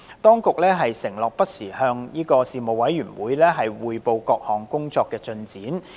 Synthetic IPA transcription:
t̪ɔː˥ŋkʊ˨k̚lɛː˥ɦɐ˨jsɪ˨˩ŋlɔː˨k̚pɐ˥t̚siː˨˩hœː˧ŋniː˥kɔː˧siː˨mo˨˩wɐ˨˥jɥyː˨˩nwuː˨˧jlɛː˥ɦɐ˨jwuː˨jpo˧wkɔː˧k̚hɔː˨˩ŋkʊ˥ŋt͡sɔː˧kːɛː˧t͡ʃɵ˧nt͡siː˨˥n

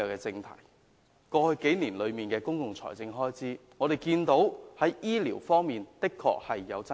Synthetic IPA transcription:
ɐ˨˧kɛː˧t͡sɪ˧ŋt̪ʰɐ̰˨˩j | kɔː˧hɵ˧ɥke˨˥jniː˨˩nlɵ˨˧ɥmiː˨nkɛː˧kʊ˥ŋkʊ˨ŋt͡sʰɔ̰ː˨˩jt͡sɪ˧ŋɦɔː˥jt͡siː˨˥ŋɔː˨˧d̪e˨jkiː˧nt̪o˨˥whɐ˨˥jʔiː˥liː˨˩wfɔː˥ŋmiː˨nt̪ɪ˥kʰːɔ̰ː˧k̚hɐ˨jːɐ̰˨˧wt͡sɐ˥

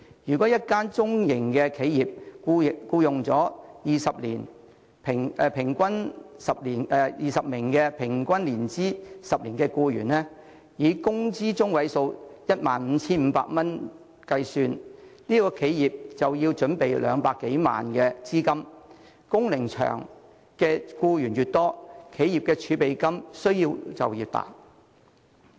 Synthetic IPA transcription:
jyː˨˩kɔ˨˥jɐ˥t̚kaː˥nt͡sʊ˥ŋjɪ˨˩ŋkɛ˧kʰe˨˥jjiː˨p̚ku˧˨kuː˧jʊ˨ŋt͡sɔː˨˥jiː˨sɐ˨p̚liː˨˩n | pʰɪ˨˩ŋ˧pʰɪ˨˩ŋkʷɐ˥nsɐ˨p̚liː˨˩nɛ˧jiː˨˩sɐ˨p̚mɪ˨˩ŋkɛː˧pʰɪ˨˩ŋkʷɐ˥nliː˨˩nt͡siː˥sɐ˨p̚liː˨˩nkɛ˧kuː˧jy̰ː˨˩nlɛː˥ | jiː˨˧kʊ˥ŋt͡siː˥t͡sʊ˥ŋwɐ˨˥jso˧wjɐ˥t̚maː˨nm̩˨˧t͡sʰiː˥nm̩˨˧pa̰ː˧k̚mɐ˥n | kɐ˧jsyː˧nniː˥kɔː˧kʰe˨˥jjiː˨p̚t͡sɐ˨wjiː˧wt͡ʃɵ˨˥npe˨jlʔœ̰ː˨˧ŋpaː˧kːe˨˥jma̰ː˨nkɛː˧t͡siː˥kɐ˥m | kʊ˥ŋlɪ˨˩ŋt͡ʃʰœ̰ː˨˩ŋ | kɛː˧kuː˧jyː˨˩njyː˨t̚t̪ɔː˥kʰe˨˥ji˨˩p̚kɛː˧t͡ʃʰyː˨˧˥pe˨jkɐ˥msɵ˥ɥjiː˧wt͡sɐ̰˨wjiː˨˧t̪a̰ː˨t̚

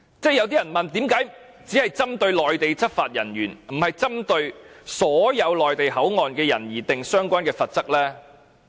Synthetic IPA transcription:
t͡sɛː˥˩jɐ˨˧wt̪iː˥jɐ˨˩nmɐ˨˩nt̪iː˨˥mkaː˨˥j | t͡siː˨˥hɐ˨jt͡sɐ˥mt̪ɵ˧ɥlɔː˨jt̪e˨jt͡sʰɐ˥t̚faː˧t̚jɐ˨˩nɥyː˨˩nm̩˨˩hɐ˨jt͡sɐ˥mt̪ɵ˧ɥsɔː˨˥jɐ˨˧wlɔː˨jt̪e˨jɦɐ˨˥wŋɔː˨nkɛː˧jɐ̰˨˩njiː˨˩t̪ɪ˨ŋsœː˥ŋkʷaː˥nkɛː˧fɐ˨t̚t͡sɐ˥k̚lɛː˥

